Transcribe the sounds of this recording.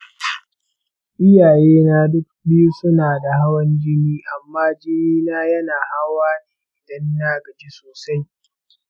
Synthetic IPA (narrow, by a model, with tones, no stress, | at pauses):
ʔɪ˦jaː˨jeː˦naː˦dʊ˦k̚bɪ˦ju˦sʊ˦naː˨da˨ha˦wɐ˦nd͡ʒɪ˦niː˦ʔa˨mːaː˦d͡ʒɪ˦niː˦naː˦jɐ˦naː˨ha˦waː˦neː˨ʔɪ˨dɐ˦nːaː˦ɡɐ˨d͡ʒe˦soː˨sa˦j